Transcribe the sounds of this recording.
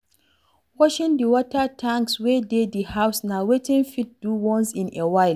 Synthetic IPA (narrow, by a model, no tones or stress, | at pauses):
wɔʃɪndiwɔtatʰaŋkswɛːdeːdihawsnawetɪnfɪt̚d̥uːwɔnsɪnʔewaɪl